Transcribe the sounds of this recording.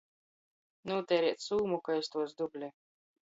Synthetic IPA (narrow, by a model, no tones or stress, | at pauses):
nuːt̪ɛːɾiɛt̪suːmukaest̪uɔsd̪ublʲɛ